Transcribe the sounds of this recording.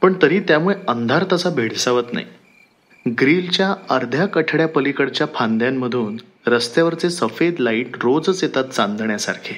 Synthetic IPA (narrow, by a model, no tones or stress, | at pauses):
pəɳt̪əɾiːt̪jamuɭeənd̪ʱaɾt̪əsabʱeɽ̤saʋət̪na̰i | ɡɾiːlt͡ɕjaəɾd̪ʱjakəʈʰɽjapəlikəɽt͡ɕjapʰand̪ʱjamːəd̪ʱuːn | ɾəst̪jaʋəɾt͡sesəfed̪laiːʈɾod͡zset̪at̪̚t͡sand̪ʱɳjasa̰ɾkʰe